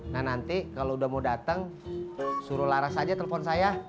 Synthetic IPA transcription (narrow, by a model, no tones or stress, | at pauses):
ŋanant̪ikaloudahmaudat̪əŋ | suɾʊlaɾasad͡ʒat̪elefɔnsaja